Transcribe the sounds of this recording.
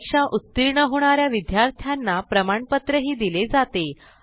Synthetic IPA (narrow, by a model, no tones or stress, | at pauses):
kʂaʔut̪ːiɾɳəɦoɽ̃aɾjaʋid̪jaɾt̪ʰjanːapɾəmaɳpət̪ɾəɦiːd̪iled͡zat̪e